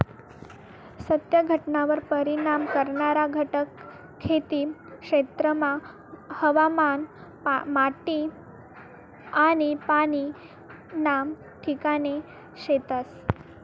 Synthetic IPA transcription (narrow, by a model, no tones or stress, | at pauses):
sət̪jəɡʱəʈnaʋəɾpəɾinamkəɾɳaɾaɡʱəʈəkʰː | et̪iːkʂet̪ɾəma | həʋaman | maʈi | aɽ̃ipaɽ̃i | nam | ʈʰikane | ɕet̪əs